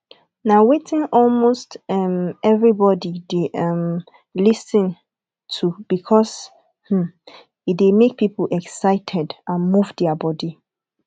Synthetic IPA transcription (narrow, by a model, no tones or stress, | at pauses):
nawetɪ̃nɔlmostɛmɛvɹibɔdideʔɛm | lisə̃n | tʰub̥ikʰɔs | h̩ | idemek̚pʰipʰol̩ɛksaɪtʰɛdʔãnmuvdɛabɔdi